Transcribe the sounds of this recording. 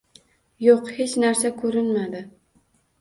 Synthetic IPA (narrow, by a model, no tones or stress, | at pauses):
joqhet͡ʃnaɾsakʰɵɾɪnmad̪ɪ